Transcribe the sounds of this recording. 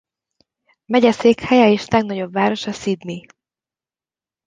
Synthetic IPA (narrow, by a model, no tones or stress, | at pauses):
mɛɟɛseːkhɛjɛeːʃlɛɡnɒɟo̞bvaːɾo̞ʃɒsid̪mi